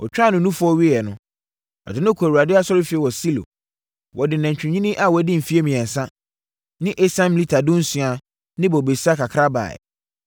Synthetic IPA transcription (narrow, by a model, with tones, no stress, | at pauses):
ɔ̰˨t͡ɕᶣa˦nʊ̃˨nũ˦fʊ˦ɔ˦ɥi˦ɛ˨nʊ̃˦ | ɔ̰˨dɪ˨nʊ̃˦kʰæ˨u˨a˨dɪ˦a˦sɔ˦ɾɪ˦fi˨ɛ˨wɔ˨si˦lo̰˨ | wɔ˨dɪ˨nã˨ɲ˨t͡ɕᶣɪ̃˨ɲĩ˦nĩ˦ʔa˨wɔ˨˦dɪ̃˦m̩˨fi˦e˦mĩ˨ɛ̃˨n˨sã˦ | nɪ̃˦ʔe˦sã˦mi˨li˦tʰa˨dʊ̃˦n̩˦sũ˨a˨ | nɪ̃˦bɔ˨be˨si˦a˦kʰa˨kʰɾa˦ba̰˨ɛ̰˨